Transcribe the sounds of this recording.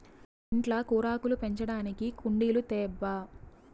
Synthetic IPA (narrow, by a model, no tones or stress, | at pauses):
iɳʈlɐkuːɾaːkulupe̞ɲt͡ʃɐɽaːnikikuɳɖiːlut̪ɛːbːɐ